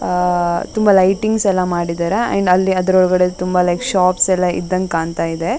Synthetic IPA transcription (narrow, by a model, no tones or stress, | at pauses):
t̪umbɐlɐjʈiŋɡsɛlːɐmaːɽid̪aːɾeɐ̰ɳɖɐlːiɐd̪ɐɾɔɭɡɐɽet̪umbɐlɐjkʃaːpsɛlːaḭd̪ːɐŋkaːɳt̪aːjid̪e